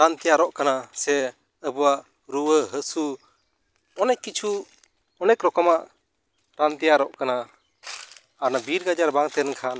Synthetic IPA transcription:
ɾant̪ijaɾɔʔkanasɛ | əbuwaʔ | ɾuwəɦəsu | ɔnɛʔːit͡ʃʰu | ɔnɛkɾɔkɔmaʔ | ɾant̪ijaɾɔʔkana | aɾnabiɾɡad͡ʒaɾbaŋt̪ɛnkʰan

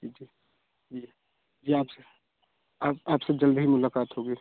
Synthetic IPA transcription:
d͡ʒid͡ʒiː | d͡ʒiː | d͡ʒiːaːpse | aːpaːpsed͡ʒəld̪ɦimʊlaːkaːt̪ɦoɡiː

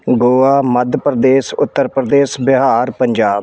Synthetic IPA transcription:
ɡoːaːməd̪ʱpɾəd̪eːsʊt̪ːəɾpɾəd̪eːsbɪɦaːɾpəɲd͡ʒaː

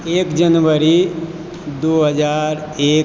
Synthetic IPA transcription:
eːkd͡ʒənʋəɾi | d̪oːɦəd͡ʒaːɾeː

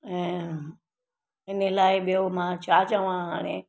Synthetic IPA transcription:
ɛ̃ː | ɪnelaːɪɓijomãt͡ɕaːt͡ɕəʋãɦaːɽ̃e

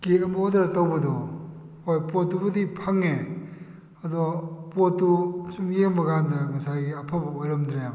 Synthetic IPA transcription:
kekɐmɐodaɾɐtawbɐdɔhojpotːubɐdipʰaŋe | ɐdɔpotːusumjeŋbɐɡandɐŋɐsajɡiɐpʰabɐojɾɐmdɾajam

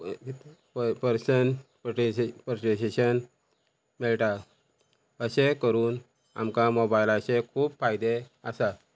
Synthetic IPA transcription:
pəɾsəɳppɾoʈeseɕən | miɭʈa | əɕekəɾuːn | a̰mkamobajlaɕekʰuːbfajd̪eəsa

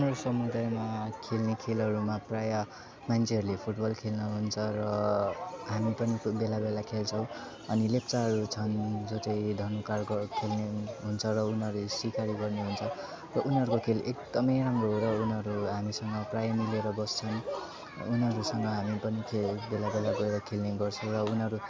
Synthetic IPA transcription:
unɦʌɾusʌmud̪ajmakʰelnekʰelɦʌɾumapraja | mant͡sʰeɦʌɾulepʰuʈbʌlkʰelnʌɦunt͡sʰʌrʌ | ɦamipʌnibelabelakʰelt͡sʰʌw̃ | ʌnilept͡saɦʌɾut͡sʰʌnd͡zot͡sʌĩd̪ʱʌnukarkʌkʰelneɦunt͡sʰʌrʌunɦʌɾusikʰaɾiɡʌrneɦunt͡sʰʌ | rʌʔunɦʌɾukokʰelekd̪ʌmʌjramroɦoɾʌunɦʌɾuɦamisʌŋɡʌprajamileɾʌbʌst͡sʰʌn | unɦʌɾusʌŋɡʌɦamipʌnikʰebelabelaɡʌjɾakʰelneɡʌrt͡sʰʌw̃rʌunɦʌɾu

